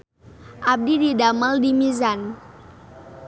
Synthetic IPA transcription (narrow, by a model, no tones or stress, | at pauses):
ʔab̚dididaməldimizan